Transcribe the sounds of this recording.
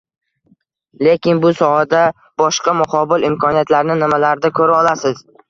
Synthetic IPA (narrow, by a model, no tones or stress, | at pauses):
le̞kʲɪnbʊsɒhad̪a | b̥ɒʃqɑmʊqʰɒbɪlɪmkʰɒnijat̪laɾnɪnɪmalaɾɪd̪akʰɵɾaɒlasɪz̥